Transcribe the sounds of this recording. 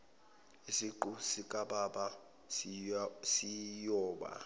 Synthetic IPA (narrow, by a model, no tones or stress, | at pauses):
isiǃusikʼaɓaɓa | sijɔːɓa̰